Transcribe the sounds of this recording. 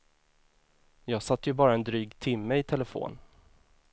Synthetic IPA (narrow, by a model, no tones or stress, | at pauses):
jɑːɡsat̪ːəjɵbɑːɾaɛnd̪ɾyːɡt̪ʰɪmːəɪt̪ʰɛləfo̰ːn